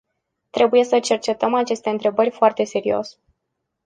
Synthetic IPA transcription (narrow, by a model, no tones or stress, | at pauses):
t̪ɾe̞buje̞sət͡ʃe̞rt͡ʃe̞t̪əmat͡ʃe̞st̪e̞ɨnt̪ɾe̞bərʲfoart̪e̞se̞ɾio̞̰s